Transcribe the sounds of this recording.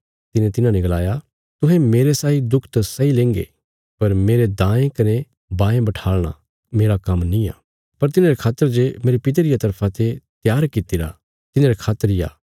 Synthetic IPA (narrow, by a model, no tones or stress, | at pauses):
t̪ɪnẽt̪ɪnãnɛɡɐlaːja | t̪ʊɦẽmeːɾesaːid̪ʊkʰt̪sɐilẽːŋɡḛ | pɐɾmeːɾed̪ãːẽkɐne | bãːẽbɐʈʰaːɭɽ̃a̰ | meːɾakɐmnĩa̰ː | pɐɾt̪ɪnãːɾekʰaːt̪ːəɾd͡ʒemeːɾepɪt̪̬eɾɪjat̪ɐɾpʰãt̪et̪jaːɾkɪt̪iɾa̰ | t̪ɪnãːɾekʰaːt̪ːəɾɪja̰ː